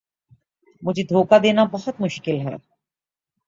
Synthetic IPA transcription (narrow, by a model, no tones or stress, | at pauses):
mud͡ʑid̪ʱoːkad̪enabɔɦot̪muʃkilɦɔ̰e